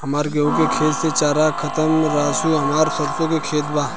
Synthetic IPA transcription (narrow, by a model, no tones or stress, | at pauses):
ɦɐmaːɾɡɐõkekʰeːlset͡ʃaːɾaːkʰɐt̪əmɾaːsuːɦɐmaːɾsɐɾsõkekʰeːt̪baː